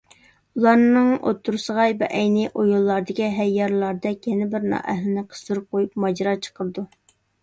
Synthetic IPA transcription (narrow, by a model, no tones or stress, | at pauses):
ulˠɑɾnɨŋʔo̰t̪ʰːuɾsəʁɑjbɛʔɛjnɪʔojulˠːɑɾd̪ɪkʲiɦɛjːɑɾlˠɑɾd̪ɛkʲjɛnɪbɪɾnɑ̰ːʔɛɦlɪnɪqʰə̥st̪uɾɨp̚qʰojupmɑd͡ʒɾɑt͡ʃʰə̥qʰəɾɨd̪u